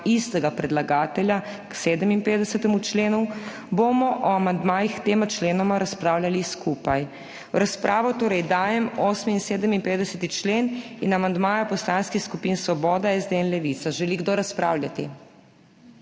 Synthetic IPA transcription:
ist̪ɛɡapɾɛd̪laɡaːt̪ɛlja | kseːd̪əminpeːd̪ɛsɛt̪ɛmut͡ʃleːnu | bomɔʔɔamand̪maːjixt̪eːmat͡ʃleːnɔmaɾaspɾaːwlʲjaliskupaj | ɾaspɾʔaːʋɔt̪oːɾɛjd̪aːjɛmoːsminseːd̪əminpeːd̪ɛsɛt̪it͡ʃleːninamand̪maːjapɔslanskixskupinsʋɔbɔːd̪aɛzd̪eɛnlɛʋit̪saʒɛliɡd̪oːɾaspɾa̰ːwlʲjat̪i

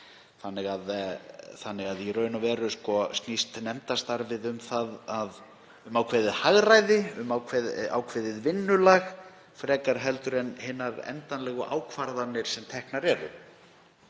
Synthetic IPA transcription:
θanːɪɣaðθanːɪɣaðirœːɥnʏvɛːɾʏskɔst̪nist̪nɛmt̪ast̪aɾvɪðʏmθaðað | ʏmawkʰvɛːðɪðhaɣrajðɪʏmawkʰvɛa̰wkʰvɛːðɪðvɪnːʏlaɣ | fɾɛːkaɾ̥ɦɛlt̪ʏɾɛnhɪnːaɾɛ̰nt̪anlɛːɣʏʔa̰ːwkʰvaɾðanːɪɾ̥sɛmt̪ʰɛhknaɾɛːɾʏ̰

